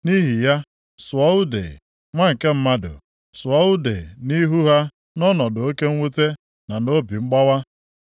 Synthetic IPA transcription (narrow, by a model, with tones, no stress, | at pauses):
ni˦ɦi˨ja˦ | sʊ˨ɔ˦u˦dḛ˨ | ŋʷa˦ŋ̩˨ke˦m̩˦ma˦dʊ̰˨ | sʊ˨ɔ˦u˦de˨ni˦ɦu˦ɦa˦ | nɔ˦nɔ˨dʊ˨o˦ke˦ŋ̩˦we˦te˦ | na˨no˦bi˨ŋ͡m̩˦ɡ͡ba˦wa˦